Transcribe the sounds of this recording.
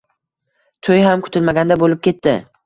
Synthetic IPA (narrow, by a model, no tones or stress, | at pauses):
t̪ʰojɦamkʰʊ̥t̪ʰɪlmaɡʲand̪abolɪp̚kʲe̞t̪ʰːɪ